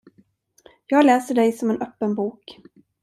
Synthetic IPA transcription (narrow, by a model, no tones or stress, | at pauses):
jɑːɡlɛːsəɖɛjsɔmɛnʔœpːənbuːk